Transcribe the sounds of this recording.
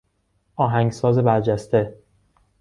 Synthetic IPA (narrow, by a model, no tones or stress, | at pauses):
ʔɒːɦæŋɡsɒːze̞bæɾd͡ʒæst̪e̞